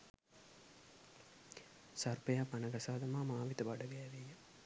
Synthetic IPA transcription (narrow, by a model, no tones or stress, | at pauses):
sarpəjaːpanəɡasaːd̪ɐmaːmaːʋit̪əbaɖəɡɛːʋijə